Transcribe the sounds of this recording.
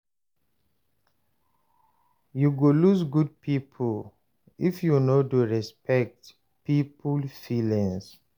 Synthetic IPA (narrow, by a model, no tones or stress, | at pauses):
juɡolusɡud̚pʰipʰul | ifjunoduɹɛspɛk̚t | pipʰulfilĩŋs